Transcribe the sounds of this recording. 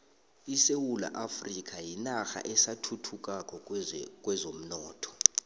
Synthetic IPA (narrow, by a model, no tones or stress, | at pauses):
isewula̰ʔafrik̬ʼajinaxa̰ʔɛsatʰutʰuk̬ʼakʼɔkʼwɛzom̩nɔːtʰɔ̥